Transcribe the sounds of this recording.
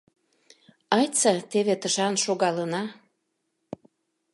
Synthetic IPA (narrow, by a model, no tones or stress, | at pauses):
ɑjt͡sɑt̪eβet̪əʃɑnʃoɣɑlənɑ